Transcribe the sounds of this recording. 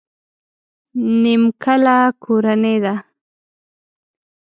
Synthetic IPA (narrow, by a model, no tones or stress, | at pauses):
nɪmkalakʰʊɾaned̪a